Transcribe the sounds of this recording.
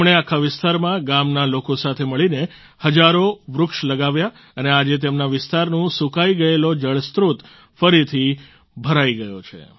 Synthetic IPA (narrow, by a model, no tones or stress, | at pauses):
mɽ̃eakʰaʋɪst̪aɾmãɡamnalokosat̪ʰeməɭine | həd͡ʒaɾoʋɾʊkʃləɡaʋja | ənead͡ʒet̪̬emnaʋɪst̪aɾnũsukaiɡəelod͡ʒəɭst̪ɾut̪ | fəɾit̪ʰi | bʱəɾaiɡəjot͡ʃʰḛ